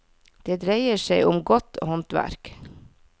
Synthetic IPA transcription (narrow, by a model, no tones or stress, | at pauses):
d̪̥eːd̪ɾeɪəʃeɪʔʊmɡɔt̪oːhɔnt̪ʋæ̰ɾk